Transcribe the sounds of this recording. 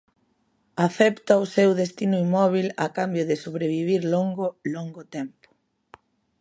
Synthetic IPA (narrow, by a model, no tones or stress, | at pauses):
aθɛpt̪ɐʊsewðest̪inʊimɔβ̞ilakambjʊðɪsoβɾeβiβ̞iɾloŋɡʊloŋɡot̪ɛmpʊ̥